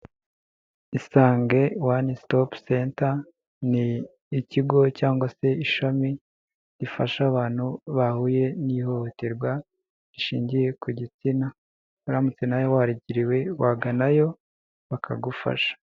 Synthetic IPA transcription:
isaːŋɡe̞wanistopsenta | niː | ciɡo̞caːŋɡwase̞iʃami | ɾifaʃaβaːn̥huβahuje̞niho̞hoteɾɡwa | ɾiʃiːɲɟije̞kuɟit͡sina | aɾamut͡senajo̞waɾiɟiɾiwe̞waɡanajo̞ | βakʰa̰ɡufa̰ʃḁ

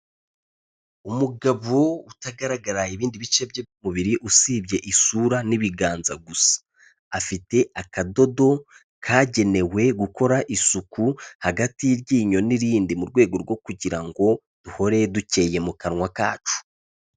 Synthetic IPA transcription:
umuɡaβoutaɡaɾaɡaɾaiβiːndiβit͡ʃe̞bjeomuβiɾiʔusiːbje̞ʔisuɾaniβiɡaːnzaɡusḁː | fite̞akado̞do̞ | kʰaːɟe̞ne̞we̞ɡuko̞ɾaʔisukuhaɡatiɾɟiːɲo̞niɾiːndimuɾɡwe̞ːɡo̞ɾɡwo̞kuɟiɾaŋɡo̞ | d̥uho̞ɾe̞duce̞je̞mukaɾŋwakaːt͡ʃu̥

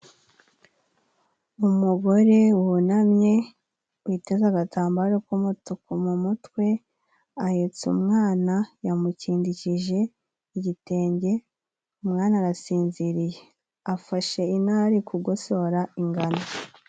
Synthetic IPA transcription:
umuɡo̞ɾe̞wunamɲe̞ | wite̞zaɡatʰaːmbaɾokumutukomumutwe̞ | ahet͡sṵmŋaːnajamuciːndiciʒe̞ | iɟite̞ːɲɟe̞ | umŋaːnaɾasiːnziɾije | afaʃe̞inaɾikuɡoso̞ːɾaiŋɡana

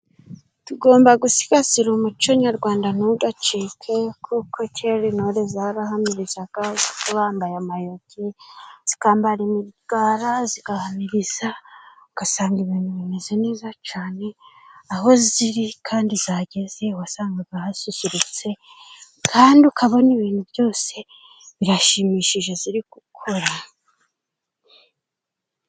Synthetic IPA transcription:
tuɡo̞ːmbaɡusi̥ɡaziɾumut͡ʃoɲaɾɡwaːndanuudat͡ʃikʰekʰukʰocʰeɾinoɾezaɾaɦamiɾizaɡ̥azikuβaːmbajamajo̞ɟez̥ikaːmbaɾimiɡ̥aːɾaziɡ̥ahamiɾiz̥auɡ̥asaːŋɡiβiːnuβinezene̞ːzat͡ʃaːne̞aɦo̞ziɾikʰaːndizaɟe̞ze̞uwasaːŋɡaβahasisiɾut͡se̞ | kʰaːndiukʰaβo̞niβiːnhuβjo̞ːse̞ | βiɾaʃiːmiːʃiʒe̞ziɾiɡukʰo̞ɾa

